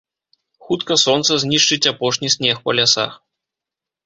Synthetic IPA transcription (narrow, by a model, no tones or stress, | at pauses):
xut̪kɐsɔnt̪sɐzʲnʲiʂt͡ʂɨt͡sʲapɔʂnʲisʲnʲɛxpɐlʲasa̰x